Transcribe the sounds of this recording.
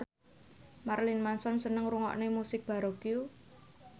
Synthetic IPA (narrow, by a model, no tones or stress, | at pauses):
marlɪnmansɔnsənəŋruŋɔ̰ʔnemusɪk̚b̥a̤ɾoɡiju